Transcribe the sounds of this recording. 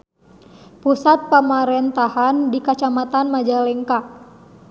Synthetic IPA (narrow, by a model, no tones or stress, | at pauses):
pusat̪̚pəmaɾɛnt̪ahandikat͡ʃamat̪anmad͡ʒalɛŋka